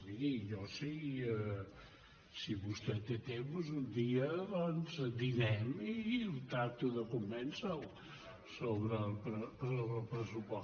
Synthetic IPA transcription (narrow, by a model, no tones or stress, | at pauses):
iiʒɔsi | siβust̪ɛt̪et̪emuzund̪iəðɔnzd̪inɛmilt̪ak̚t̪uðəkumːɛnsəw | soβɾəlˠpɾəsoβɾəlˠpɾəsupɔ